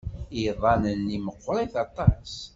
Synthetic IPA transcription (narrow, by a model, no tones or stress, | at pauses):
iðˤɑnənːiməqːɾˤiθɑt̪ˤɑs